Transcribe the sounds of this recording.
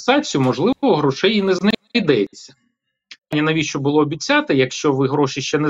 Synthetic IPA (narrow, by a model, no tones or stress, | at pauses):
sɑt͡sʲʊmɔʒlˠɪʋɔɦɾɔʃɛjinɛznid̪ɛt͡sʲːɐ | nʲinɐʋʲiʃt͡ʃɔbʊlˠɔːbʲit͡sʲːat̪ɪjɐkʃt͡ʃɔʋɪɦɾɔʃɪʃt͡ʃɛnɛ